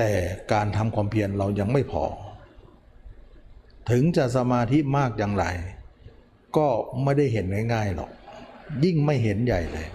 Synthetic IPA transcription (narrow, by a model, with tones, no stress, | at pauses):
t̪ɛː˨˩kaː˨˧nt̪ʰa˧mkʰwaː˧mpʰi˧ənɾa˧wja˧ŋma˥˩jpʰɔ̰ː˧˦ | t̪ʰɯ˨˦ŋt͡ɕaː˧˩k̚sa˧maː˧t̪ʰi˦˥maː˥˩k̚jaː˧ŋɾa˨˧˩j | kɔː˥˩ma˥˩jda˥˩jɦe˨˦nːa˧˥˩jŋaː˥˩jlɔ̰˨˩k̚ji˥˩ŋma˥˩jɦe˨˦nja˨˩jt̪ɛː˨˩